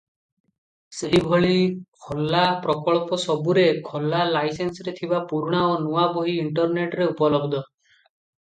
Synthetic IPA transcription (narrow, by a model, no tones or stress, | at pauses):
seɦibʱɔɭiikʰɔlːapɾɔkɔɭpɔsɔbuɾekʰɔlːalajsensɔɾet̪ʰibapuɾuɽ̃aonuwabɔɦiiɳʈɔɾneʈɾeupɔlɔbd̪ʱɔ